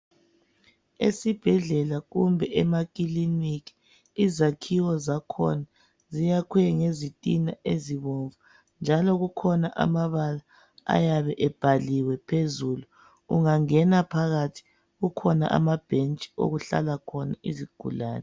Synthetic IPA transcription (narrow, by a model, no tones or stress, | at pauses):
ḛsib̥ʱɛɮɛlaɣumbʱɛʔɛmakʼilinikʰi̥ | izakʰiwɔzakʰɔ̰na | zijakʰwɛŋezitʼinaʔeziβoɱvu | nd͡ʒʱalɔɣukʰɔnaʔa̰maβala | a̰jaβɛʔɛb̥ʱaliwɛpʰezulu | uŋaŋɛnapʰaɣatʰi̥ | ɣukʰɔna̰ʔa̰mab̥ʱent͡ʃʼi̥o̰ɣuɬa̰lakʰɔna̰ʔiziɡ̥ʱṵla̰ːnɛ